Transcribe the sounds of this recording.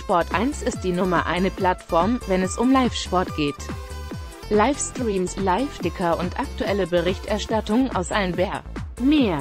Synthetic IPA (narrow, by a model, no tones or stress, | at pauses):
ʃpɔɐtʔaɪnsɪstd̥iːnʊmɐʔa̰ɪnəpl̥atfɔɐmvɛnɛsʊmlaɪfʃpɔɐtɡ̥eːt | laɪfstʁʁiːmslaɪfd̥ɪkʰɐʔʊntʔak̚tuʔɛləbəʁɪçtʔɛɐʃtatʊŋənʔa̰ʊsʔalənbɛɐmeːɐ